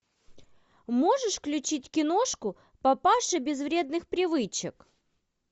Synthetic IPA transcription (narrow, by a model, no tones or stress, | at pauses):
moʐɨʂklʲʉt͡ɕitʲkʲɪnoʂkʊ | pɐpaʂɨbʲɪzvɾʲe̞d̪̚nɨxpɾʲɪvɨt͡ɕɪk